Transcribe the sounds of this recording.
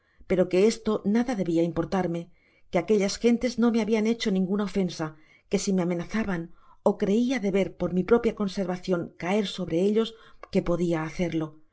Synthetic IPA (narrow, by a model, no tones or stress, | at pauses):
pe̞ɾo̞ke̞e̞st̪o̞naðaðe̞βiaimpo̞ɾt̪aɾme̞ | keake̞ʎasxe̞nt̪e̞zno̞me̞aβiane̞t͡ʃo̞nĩŋɡunao̞fe̞nsa | ke̞sime̞ame̞naθaβano̞kɾe̞iaðe̞βe̞ɾpo̞ɾmipɾo̞pjako̞nse̞ɾβaθjo̞ŋkae̞ɾso̞βɾe̞eʎo̞ske̞po̞ðiaːθe̞ɾlo̞